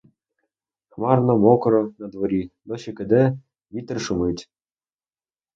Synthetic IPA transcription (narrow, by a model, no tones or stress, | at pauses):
xmɑrnɐmɔkɾɔnɐd̪ʋɔɾʲid̪ɔɕekɘd̪ɛ | ʋʲit̪rʃumɨt̪ʲ